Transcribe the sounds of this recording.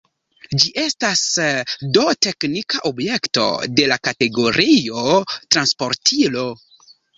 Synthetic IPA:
d͡ʒiʔe̞stasdo̞te̞knikaʔobje̞kto̞̰de̞lakate̞ɡo̞ɾio̞tɾanspo̞ɾtʰilo̞

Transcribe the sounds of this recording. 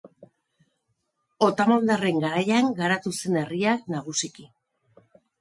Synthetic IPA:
o̞t̪amold̪are̞ŋɡaɾajaŋɡaɾat̪use̞ne̞riaknaɣ̞usiki

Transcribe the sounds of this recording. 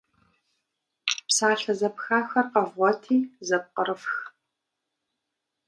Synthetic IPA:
psaːɬɐzɐpxaːxɐqɐvʁʷɔtʰiːzɐp̚qəɾɨfx

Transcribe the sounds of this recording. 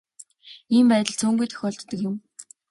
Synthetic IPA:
iːmpæːt̪ə̆ɮt͡sʰuːŋɡujt̪ʰœ̥xʲɔːɬt̪ːə̆kjʊ̆m

